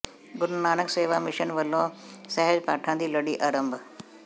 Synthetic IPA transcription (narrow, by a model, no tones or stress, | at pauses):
ɡʊɾnaːnəkseːʋamɪʃənʋəlõsɛɦed͡ʒpaːʈʰãnd̪iːləɽiːʔaɾəmbʱ